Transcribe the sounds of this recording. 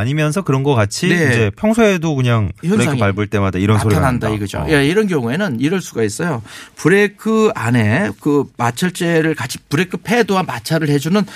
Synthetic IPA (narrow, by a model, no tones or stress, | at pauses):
aɲimjʌnsʰʌkɯɾʌnɡʌk͈at͡ɕʰineid͡ʑe̞pʰjʌŋsʰoedokɯɲaŋʌkʰepaɭbuɭt͈e̞madaiɾʌnssʰoɾanandaiɡɯd͡ʑo̰jaiɾʌnɡjʌŋue̞nɯniɾʌɭs͈uɡais͈ʌjopuɾe̞kʰɯane̞kɯmat͡ɕʰʌɭt͡ɕ͈e̞ɾɯɭkat͡ɕʰi̥puɾe̞kʰɯpʰe̞doɦanmat͡ɕʰaɾɯɭhe̞d͡ʑunɯn